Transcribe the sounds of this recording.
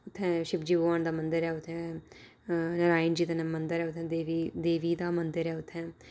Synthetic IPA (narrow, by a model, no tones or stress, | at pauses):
ʊt̪ʰːɛ̃ːʃɪbd͡ʒiːboːaːnd̪aːmənd̪əɾɛːʊt̪ʰːɛ̃ː | nəɾaːɪnd͡ʒiːd̪aːnmənd̪əɾɛːʊt̪ʰːɛ̃ːd̪eːʋiːd̪eːʋiːd̪aːmənd̪əɾɛːʊt̪ʰːɛ̃ː